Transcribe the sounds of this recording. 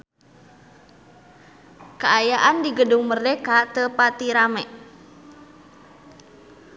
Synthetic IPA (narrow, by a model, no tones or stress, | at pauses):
kəajaʔandiɡəduŋmərɛkat̪əpat̪iɾamɛʔ